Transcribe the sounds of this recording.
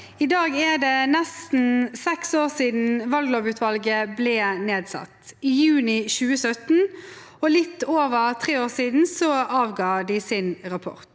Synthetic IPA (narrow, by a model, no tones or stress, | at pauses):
ɪd̪ɑːɡɛd̪ɛnɛst̪n̩sɛksoːʁsiːd̪n̩ʋɑlɡloːʋʉːt̪ʰʋɑlɡəblɛːneːd̪sɑ̰t̪ɪjʉːnɪçʉːəsœt̪n̩ | ɔlɪt̪ːoːʋəʁt̪ʰʁeːoːʁsiːd̪n̩sɔɑːʋɡɑːd̪ɪsɪnʁɑpʰɔ̰ʁt̪